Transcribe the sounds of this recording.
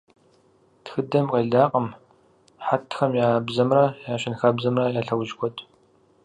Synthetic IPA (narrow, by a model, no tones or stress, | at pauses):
txɨdɐmqɐɮaːqʼɐm | ħatʰxɐmjaːbzɐmrɐjaːɕɪnxɐbzɐmrɐjaːɬɐwʒkʷʰɔtʰʼ